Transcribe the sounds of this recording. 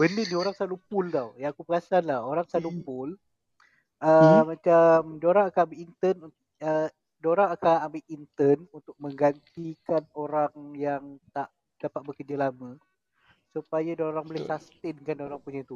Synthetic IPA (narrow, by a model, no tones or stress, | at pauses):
bənənioɾaŋsalupʊld̪awjaakubəkasanlaoɾaŋsalupʊl | əmat͡ʃamdoɾaŋakanambɪʔint̪ənu | ə | doɾaŋakanambɪʔint̪ənunt̪ʊk̚mə̃ŋɡant̪ikanoɾaŋjaŋt̪aʔ | d̥apat̪̚bəkərd͡ʒalamə̃ | supajadoɾaŋbolɪsast̪ɪnkandoɾaŋpuɲat̪u